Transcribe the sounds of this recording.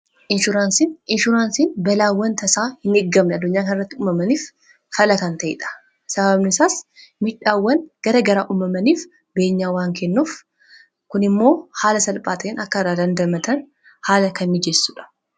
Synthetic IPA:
ʔɪnʃʊɾaːnsinɪnʃʊɾaːnsiːnbɐlaːwːɐnt̪ɐsaːhɪnɪɡːɐmnɛɐd̪ːʊɲːaːkɐnɪrɐt̪ːɪuːmɐmɐniːf | fɐlɐkɐnt̪ɐʔɪ̰ᶑɐ̥ | sɐβɐbnɪsaːsmɪᶑaːwːɐnɡ̥ɐɾɐɡɐɾaːʔuːmɐmɐniːf | be̞ːɲːaːwaːŋkʰɛnːuːf | kʊnɪmːo̞ːhaːlɐsɐlpʼaːt̪ʰɐʔeːnɐkːɐɾaːd̪ɐnd̪ɐmɐt̪ʰɐn | haːlɐkɐnːɪd͡ʒɛsːuᶑɐ̥

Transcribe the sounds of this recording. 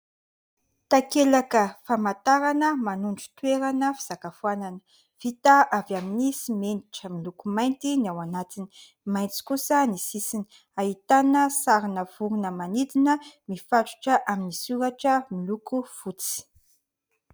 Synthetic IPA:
t̪akelakəfamat̪aɾanəmanuɳɖ͡ʐu̥t̪weɾanəfi̥z̥akafuananə̥ | v̥it̪aʔavjaminisimeniʈ͡ʂəmilukumajnt̪iniawanat̪ini̥ | majnt͡si̥kusənisisini̥ | aɦit̪anəsaɾinəv̥uɾunəmanid̪inəmifaʈ͡ʂu̥ʈ͡ʂəʔaminisuɾaʈ͡ʂəmilukuv̥ut͡si̥

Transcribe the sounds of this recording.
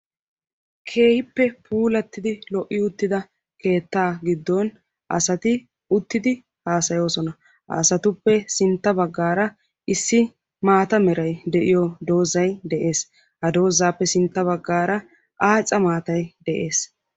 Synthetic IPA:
kʰe̞ːhɪpːɛpʰuːlɐt̪ːɪd̪ɪlɔʔːɪʊt̪ːɪd̪ɐ | ke̞ːt̪ːaːɡɪd̪ːɔn | ʔɐ̰sɐt̪ɪ | ʊt̪ːɪd̪ɪ | haːsɐjo̞ːsɔnɐ | hɐ̰ːsɐt̪ʊpːɛsɪnt̪ːɐbɐɡːaːɾɐ | ʔɪsːɪ | maːt̪ɐmɛɾɐjd̪ɛʔɪjɔd̪o̞ːzɐjd̪ɛʔe̞ːs | hɐd̪o̞ːzaːpːɛsɪnt̪ːɐβɐɡːaːɾɐ | ʔaːt͡sʼːɐmaːt̪ɐjd̪ɛʔe̞ːs

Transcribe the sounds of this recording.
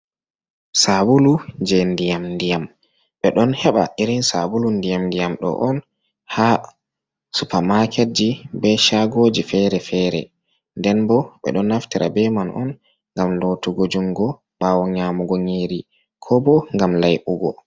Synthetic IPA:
sabulud͡ʒɛndijamndijam | ɓɛɗɔnhɛɓa̰ʔiɾinsabulundijamndijamɗɔ̰ʔɔn | ha | supamakɛt̚d͡ʒibɛʃaɡod͡ʒifɛɾɛfɛːɾɛ̰ | ndɛnbɔɓɛ̰ɗɔnːaftiɾa̰bɛmanʔɔ̰n | ŋɡamlotuɡod͡ʒuŋɡɔ | b̥awɔɲamuɡɔɲeːɾi | kʰɔbɔŋɡamlajʔuɡɔ

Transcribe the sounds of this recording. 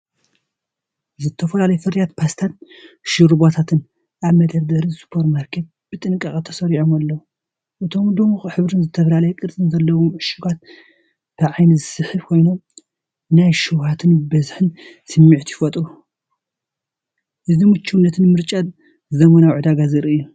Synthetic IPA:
zɨt̪ʰːɐfɐlalɐjfɐɾjat̪pʰast̪ʰat̪ʃɨɾɨbot̪ʰat̪ʰɨn | ʔaβmɐd̪ɐβd̪ɐɾɨsu̥pʰoɾtmaɾkʰe̞t̪̚b̥ɨt̪ʼɨnkʼɐkʼɐt̪ʰɐ̥sɐɾiʕomalːɐw | ʔɨt̪ʰomd̪omuxħɨβɾɨnzɨt̪ʰɐfɐlalɐjɛkʼɨɾsʼɨnzɐlːɐwomʕɨʃuɡat̪̚ | b̥ɨʕajnizɨsɨħɨβkʰo̞jnom | najʃɨwhat̪ʰɨnbɐzħɨn | sɨmːiʕt̪ʰjɪfɐt̪ʼɾu | ʔɨzimut͡ʃʰːuwnːɐt̪ʰɨnmɨɾt͡ʃʼa | zɐmɐnawʕud̪aɡazɨɾɨʔɨjːu

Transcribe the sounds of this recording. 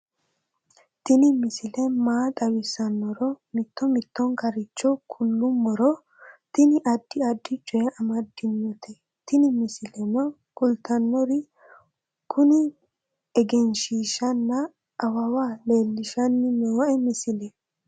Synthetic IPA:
t̪ɪnɪmɪsɪlɛmaːt̪ʼɐwɪsɐnːɔɾɔmɪt̪ːɔmɪt̪ːɔŋkɐɾɪt͡ʃːɔkʰʊlːʊmːɔɾɔ | t̪ɪnɪʔɐd̪ːɪɐd̪ːɪt͡ʃʼɔjɛʔɐmɐd̪ːɪnːɔt̪ɛ | t̪ɪnɪmɪsɪlɛnɔ | kʼʊlt̪ɐnːɔɾɪ | kʰʊnɪ | ɛɡɛnʃiːʃɐnːɐː | wɐwaːle̞ːlːɪʃɐnːɪnoːɛmɪsɪlɛ

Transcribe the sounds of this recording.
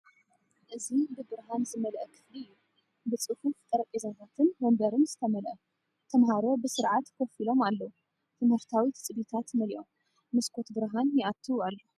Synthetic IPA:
ʔɨzibɨbɨɾɦanzɨmɐlʔɐkʰɨ̥fliɨjːu | bɨt͡sʼɨhuft̪ʼɐɾɐkʼizɐt̪at̪ʰɨnmɐmbɐɾɨnz̥ɨt̪ʰɐmɐlʔɐ | t̪ʰɐmɦaɾo̞bɨsɨɾʕat̪kʰofilo̞malːɐwu | t̪ʰɨmhɨɾt̪ʰawit̪ʰt͡sʼɨbit̪ʰat̪mɐliʔo̞m | mɨskʰo̞t̪bɨɾɦanjɛʔat̪ʰːualːo

